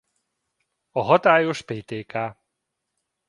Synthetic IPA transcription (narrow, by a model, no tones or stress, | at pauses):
ɒɦɒt̪aːjoʃpeːt̪eːkaː